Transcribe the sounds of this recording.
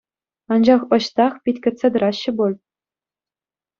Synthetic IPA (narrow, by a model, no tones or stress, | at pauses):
ɑnd͡ʑɑχɤ̆ɕt̪ɑχpʲitʲkʲɘ̆t̪ʲt͡sʲed̪ɤ̆ɾɑɕːɘ̆bulʲ